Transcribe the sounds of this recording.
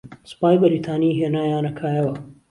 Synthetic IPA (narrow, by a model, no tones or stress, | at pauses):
spaːjbɐɾit̪ʰaːniɦenaːjaːnɐkʰaːjɐwa